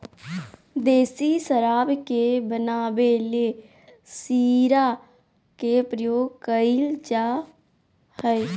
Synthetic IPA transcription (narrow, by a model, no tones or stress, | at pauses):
d̪eːsisəɾaːbkebənaːbele | siːɾa | kepɾəjoːɡkəɪld͡ʒaː | həj